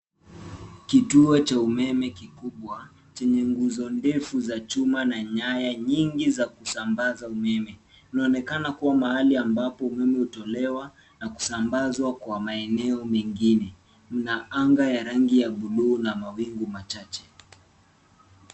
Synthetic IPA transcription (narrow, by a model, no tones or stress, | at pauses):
kituɔt͡ʃaumɛmɛkikuɓwa | t͡ʃɛɲɛŋɡuzɔndɛfuzat͡ʃumanaɲajaɲiŋɡizakusambazaumɛmɛ | inaɔnɛkanakuwamahaliambapɔumɛmɛhutɔlɛwa | naku̥sambazwakwamaɛnɛɔmɛŋɡinɛ | m̩naaŋɡajaɾaŋɡijaɓuɗuːnamawiŋɡumat͡ʃat͡ʃɛ̥